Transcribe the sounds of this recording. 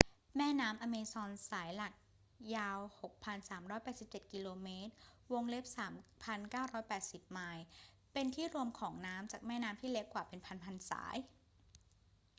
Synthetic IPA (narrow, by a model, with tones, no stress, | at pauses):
mɛː˥˩naː˦˥mʔa˧meː˧sɔː˧nsaː˩˦jla˨˩k̚ | jaː˧who˨˩k̚pʰa˧nsaː˩˦mɾɔː˦˥jpɛː˨˩t̪si˨˩p̚t͡ɕe˨˩t̪̚ki˧loː˧meː˦˥t̪̚wo˧ŋle˦˥p̚saː˩˦mpʰa˧nkaː˥˩wɾɔː˦˥jpɛː˨˩t̪̚si˨˩p̚maː˧j | pe˧nt̪ʰiː˥˩ɾu˧əmkʰɔː˩˦ŋnaː˦˥mt͡ɕaː˨˩k̚mɛː˥˩naː˦˥mt̪ʰiː˥˩le˦˥kːwaː˨˩pe˧npʰa˧npʰa˧nsa̰ː˩˦j